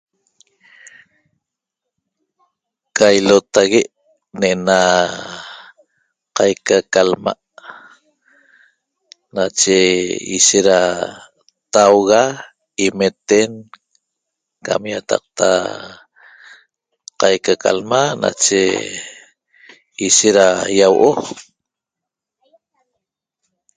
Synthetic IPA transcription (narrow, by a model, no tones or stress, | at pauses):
kajlot̪aɣeʔ | neʔena | qɑjkakalma̰ʔ | nat͡ʃeḭʃeɾa | t̪awɣa | imet̪en | ka̰mjat̪ɑ̰q̚t̪ʰa̰ | qɑjkaka̰lmana̰t͡ʃḛ | iʃeɾajawʔo